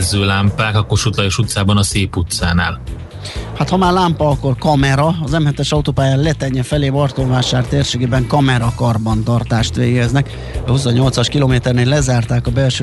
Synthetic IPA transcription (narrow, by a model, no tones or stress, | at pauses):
zːøːlaːmpaːkɒkːorʃut̪lɒjoʃut̪saːbɒnɒseːput̪saːna̰ːl | hat̪hɒmaːrlaːmpɒɒkːo̞rkɒmɛɾɒɒzɛmhɛt̪ɛʃɒut̪oːpaːjaːnlɛt̪ɛɲːɛfɛleːvɒrt̪oɱvaːʃaːrt̪eːrʃeːɡeːbɛŋkɒmɛɾɒkɒrbɒnt̪ɒrt̪aːʃt̪ʋeːɡɛznɛk | ɒhusoɲːo̞lt̪sɒʃkilomeːt̪ɛrneːlːɛzaːrt̪aːkɒbɛlʃø